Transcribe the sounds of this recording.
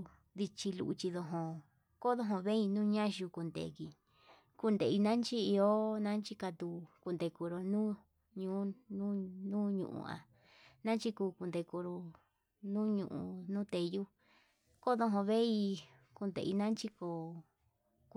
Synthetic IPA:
ði˧t͡ʃi˧lṵ˧ʔu˧t͡ʃi˧ðo˧ɦõ˧ | ko˦ðõ˦ɦõ˧βe˦i˧nũː˦˧ɲã˦ʒu˧ku˧nd̪ḛ˧˨ki˨ | ku˧nd̪e˨i˧nã˦nt͡ʃi˦i˧o˦nã˦nt͡ʃi˦ka˧t̪u˧ku˧nd̪e˧ku˧ɾo˧nũː˦ | ɲũ˧˦nũ˦nũː˦ɲṵ̃˧ʔṵ˧a̰˧ | nã˦nt͡ʃi˦kuː˧ku˧nd̪e˧ku˧ɾo˧ | nũ˦ɲṵ̃˧ʔṵ̃˧nũː˦t̪e˧ju˦ | ko˦ðo˧ɦõ˧βe˦i˧ | ku˧nd̪ḛ˧˨ḭ˧nã˦nt͡ʃi˦ko˧ | k

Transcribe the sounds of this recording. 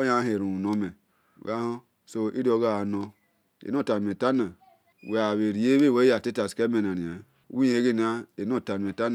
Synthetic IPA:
ja˦ɦe˨ɾu˨no˦mḛ˨ | ɡa˦ho˦ | so˦ʔḭ˦di˦o˨ɡa˦a˨no˦ | ḛ˨no˦˨ta˨e˨ta˦na˨ | we˨a˨we˨ɾi˨e˦we˦˨we˦a˨ti˦ta˨ske˦me˨na˨ni˨a˨˦ | i˦je˨˦ɡe˦n˦a˦e˨n˦o˦˨ta˨n˨e˨ta˦n˨

